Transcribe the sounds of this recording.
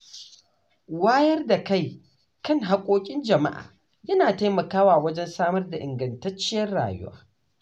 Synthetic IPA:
waː˦jɐ˦rda˨ka˦˨j | kɐ˦ŋɦa˦kʷʼoː˦kʲʼɪ˦nd͡ʒɐ˨ma̰˦ʔa̰ː˨ | jɐ˦naː˨ta˦jmɐ˨kaː˦waː˨wɐ˦d͡ʒɛ˦nsaː˦mɐ˦rda˨ʔɪ˨ŋɡɐ˨ntɐ˦t͡ʃːɪ˦jɐ˦rɽa̰ː˨jʊ̰˦wa̰ː˦

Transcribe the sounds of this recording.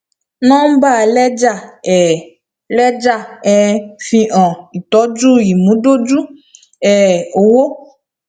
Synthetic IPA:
nɔ̃˦m̩˦ba˦˨lɛ˦d͡ʒa˦˨ɛ˨ | lɛ˦d͡ʒa˦˨ɛ˨fĩ˧ʔɔ̃˨i˨t̪ɔ˨˦d͡ʒu˦ji˨mũ˨˦ɖo˦d͡ʒu˦ | ɛ˨o˨wo˦

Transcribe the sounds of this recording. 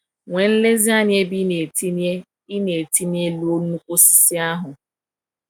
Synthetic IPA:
ŋʷe˨n̩˦le˦zi˦a˦ɲ˦e˦bi˦ne˨ti˦n˦e˦ | i˦ne˨ti˦nje˦lu˦o˦nu˦kʷo˦si̥˦si˦a˦ɦʊ˨

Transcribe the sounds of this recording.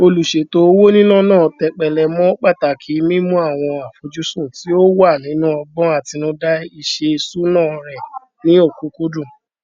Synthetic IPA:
o˧lu˨ʃe˨to˨˦o˦wo˦nĩ˦nũ˦nãː˦˨tɛ˨k͡pɛ˨lɛ˨mɔ̃˦k͡pa˦˨ta˨kʰi˨˦mĩ˦mũ˦a˦˨w̃ɔ̃˧a˨fo˧d͡ʒu˦sũ˦˨ti˨˦o˦wa˦˨nĩ˨˦nũ˦ɔ˧bɔ̃˦a˦˨ti˧nũ˦da˦i˧ʃe˧i˧su˦nãː˦˨ɾɛ˨ | nĩ˨˦o˦˨ku˨˦ku˦dũ˦˨

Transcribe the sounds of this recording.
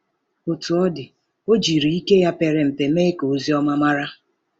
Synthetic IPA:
o˨tu˨ɔ˦dɪ˨ | o˦d͡ʒi˨ɾi˨i˦ke˦ja˦pe˨ɾe˨m̩˨pe˨me˦ko˨˦zi˦ɔ˦ma˦ma˦ɾa˦

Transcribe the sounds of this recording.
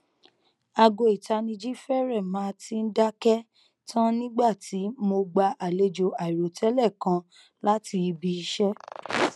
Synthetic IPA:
a˧ɡo˧i˨ta˧nĩ˧d͡ʒi˦fɛ˦ɾɛ˦˨mãː˨˦tʰi˦n̩˦da˦kɛ˦ | tʰã˦nĩ˦ɡ͡ba˦˨ti˨˦mo˧ɡ͡ba˧ʔa˨le˧d͡ʒo˧ʔa˨i˨ɾo˨tʰɛ˨˦lɛ˦˨kã˧ | la˦ti˧bi˧i˧ʃɛ˦

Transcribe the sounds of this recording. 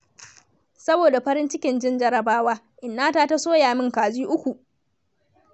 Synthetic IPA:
sɐ˦boː˨da˨ɸɐ˦ɾɪ˦nt͡ʃɪ˦kʲɪ˨nd͡ʒɪ˦nd͡ʒɐ˦ɾɐ˨baː˦waː˦ | ʔɪ˨nːaː˦taː˦ta˦soː˦jaː˨mɪ˦ŋkaː˨ziː˦ʔʊ˦kʷu˨ʔ

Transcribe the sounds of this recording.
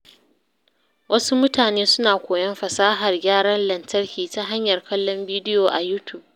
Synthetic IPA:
wʔɐ˦su˦mʊ˦taː˨neː˦sʊ˦naː˨kʷoː˨jɐ˦mɸɐ˨saː˦ɦa˨rɡʲaː˦ɽɐ˦nlɐ˨ntɐ˦rkʲiː˨ta˦ɦa˦ɲjɐ˨rkɐ˦lːɔ˦mbiː˦dɪ˦joː˨ʔa˨juː˦tʰu˨b̚

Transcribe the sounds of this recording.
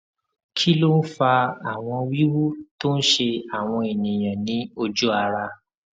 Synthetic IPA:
kʰi˦lo˦n̩˦fa˧a˨w̃ɔ̃˧wi˦wu˦to˦n̩˦ʃe˧a˨w̃ɔ̃˧e˨nĩ˨j̃ã˨nĩ˨˦o˧d͡ʒu˦a˧ɾa˧

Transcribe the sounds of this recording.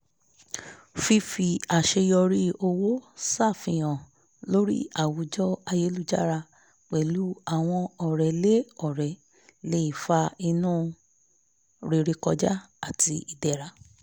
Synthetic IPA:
fi˧fi˨a˨ʃe˧jɔ˧ɾi˦o˧wo˦sa˦˨fĩ˨j̃ɔ̃˨ | lo˦ɾḭ˦a˨wu˨˦d͡ʒɔ˦a˧je˦lu˦d͡ʒa̰˦ɾa˧ | k͡pɛ˨lu˨˦a˦˨w̃ɔ̃˧ɔ˨ɾɛ˨le˦ɔ˦˨ɾɛ˨ | le˧˦i˨fa˧i˧nũː˦ | ɾe˧˨ɾe˧kɔ˧d͡ʒa˦ | a˦˨tʰi˧i˨dɛ˨ɾa˧˦

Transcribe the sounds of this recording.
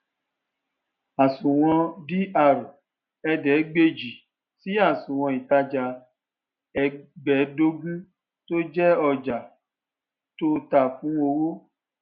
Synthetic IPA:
a˨sũ˨w̃ɔ̃˧di˦a˧˨ɾo˨ | ɛ˧dɛ˨˦ɡ͡be˧d͡ʒi˨ | si˨˦a˦˨sũ˨w̃ɔ̃˧i˨ta˧d͡ʒa˧ | ɛ˧ɡ͡bɛ˨˦do˧˦ɡũ˦ | to˦d͡ʒɛ˦ɔ˧˨d͡ʒa˨ | to˦ta˦˨fũ˨˦o˧wo˦

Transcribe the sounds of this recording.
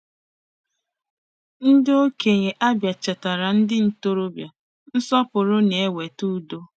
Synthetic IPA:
n̩˦do˦ke˨ɲe˨ʔa˦bja˨t͡ʃa˨ta˨ɾa˨n̩˦dɪ˦n̩˦to˦ɾo˦bja˨ | n̩˦sɔ˦pʊ˨ɾʊ˦ne˨˦we˨tu˦do˦

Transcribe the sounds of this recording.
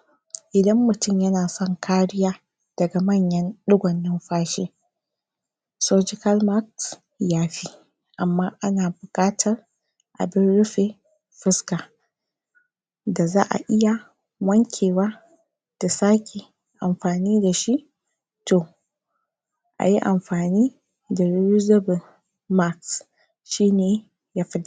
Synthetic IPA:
ʔɪ˨dɐ˦mːʊ˨tʊ˦˨mjɐ˦naː˨sɔ˦˨ŋkʰaː˦ɽɪ˦jaː˦ | d̥ɐ˨ɡa˨mɐ˦˨ɲjɐ˦nɗʊ˦ɡʷɐ˨nːɪ˦mɸaː˦ʃeː˦ | soː˦d͡ʒɪ˦kɐ˦lma˦k̚s | jaː˦ɸiː˦ | ʔa˨mːaː˦ʔa˦naː˨bʊ˨kʼaː˦tʰɐ˨r | ʔa̰˨bɪ˦nɽʊ˦ɸeː˨ | ɸɪ˦skaː˨ | da˨za̰ː˦ʔa̰˨ʔɪ˦ja˨ | wɐ˦ŋkʲʰeː˨waː˦ | d̥a˨saː˦kʲʰe˨ | ʔa˨mɸaː˨niː˦da˨ʃi˦ʔ | toː˨ | ʔa̰˨ji˦ʔa˨mɸaː˨niː˦ | da˨ɾu˦u˦zɐ˦bʊ˨l | ma˦ks | ʃiː˦neː˨ | jaː˦ɸɪ˦d

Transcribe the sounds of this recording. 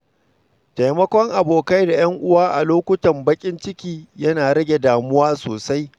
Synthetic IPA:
ta˨jmɐ˦kʷɔ˦ŋʔa˨boː˨ka˦jda˨j̰ɐ˦ŋʔʊ˦waː˦ʔa̰˨loː˦kʷʊ˦tɐ˨mbɐ˦kʲʼɪ˦nt͡ʃɪ˦kʲiː˦jɐ˦naː˨ɽɐ˦ɡʲe˨daː˨mʊ˦waː˦soː˨sa˦j

